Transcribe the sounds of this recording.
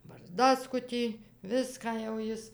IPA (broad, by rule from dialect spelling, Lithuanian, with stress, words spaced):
bɐrˈzdɑːskʊtʲiː ˈʋʲɪskɑː jɛʊ ˈjɪs